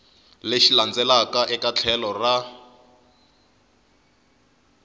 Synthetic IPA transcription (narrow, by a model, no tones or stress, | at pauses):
leʃiland͡zɛlakaʔɛkat͡ɬʰɛlɔra